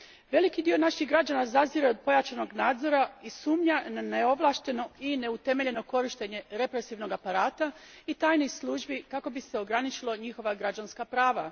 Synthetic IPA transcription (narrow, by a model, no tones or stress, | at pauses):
ʋe̞likid̪io̞naʃiɣɡɾad͡ʒanazaziɾeo̞d̪̚po̞jat͡ʃano̞ɡnaːd̪zo̞ɾaisuːmɲananeo̞ʋlˠaːʃt̪e̞no̞ine̞ut̪e̞me̞ʎe̞no̞ko̞ɾiʃt̪e̞ɲe̞ɾe̞pɾe̞siʋno̞ɡapaɾaːt̪ait̪aːjnojslˠuːʒbikako̞bise̞o̞ɡɾanit͡ʃilˠo̞ɲixo̞ʋaɡɾad͡ʒanskapɾaːʋa